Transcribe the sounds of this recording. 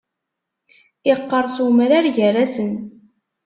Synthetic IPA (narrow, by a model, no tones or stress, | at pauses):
ɪqːəɾˤsumɾaɾʝəræsən